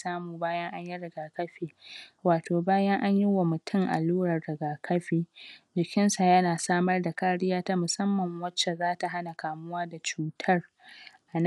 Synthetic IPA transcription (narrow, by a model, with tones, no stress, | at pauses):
saː˦muː˨baː˦jɐ˦ŋʔa˦ɲji˦ɽɪ˨ɡaː˨kɐ˦ɸiː˨waː˨toː˨baː˦jɐ˦ŋʔa˦ɲjɪ˦wa˨mʊ˨tʰʊ˦˨ŋʔa̰˨luː˦ɽɐ˨rːɪ˨ɡaː˨kʰɐ˦ɸiː˨d͡ʒɪ˨kʲɪ˦nsa˨jɐ˦naː˨saː˦mɐ˦rda˨kaː˦ɽɪ˦jaː˦ta˦mʊ˨sɐ˦mːɐ˨ŋwɐ˦t͡ʃːɛ˨zaː˦ta˨ɦa˦na˨kaː˨mʊ˦waː˦da˨t͡ʃuː˨tʰɐ˦r | ʔa˨n